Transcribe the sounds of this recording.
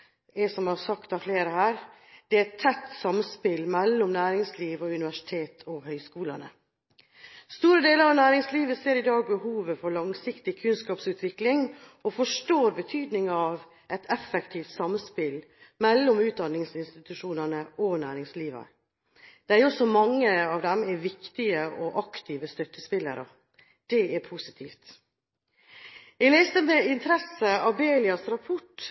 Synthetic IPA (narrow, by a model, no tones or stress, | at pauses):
ɛsɔmhɑsɑkt̪ɑfleːɾəhæːɾd̪̥ɛæt̪ʰːɛt̪ːsɑmspɪlmɛlːɔmnæːɾɪŋsliːʋɔʉnɪʋæʂɪ̥t̪ʰeːt̪ʰɔhœʏskuːlɑnə̰ | st̪uːɾəd̪eːləɾɑʋnæːɾɪŋsliːʋəseːɾɪd̪ɑːɡ̚bəhuːʋəfɔɾɭɑŋsɪkt̪ɪkʰʉnskɑːpsʉːt̪ʰʋɪklɪŋ | ɔfɔʂʈoːɾbət̪ʰyːd̪nɪŋɑʋ | ʔɛt̪ʰɛfɛkt̪ʰiːft̪sɑməspɪl | mɛlːɔmʉːt̪̚d̪ɑnːɪŋsɪnst̪ɪt̪ʉʂuːnəɳəʔɔnæːɾɪŋsliːʋə̰ | d̪̥ɛæɾʊɔsɔmɑŋːəɑːʋd̪ɛmæɾʋɪkt̪ɪəʔɔʔɑkt̪ʰiːʋəst̪œt̪ːəspɪlːə̰ɾə | d̪̥ɛɛɾpʰʊsɪ̥t̪ʰiːft̪ | ælɛːst̪əmɛɪnt̪ʰɾɛsəɑbeːlɪɑsɾɑpʰɔʈ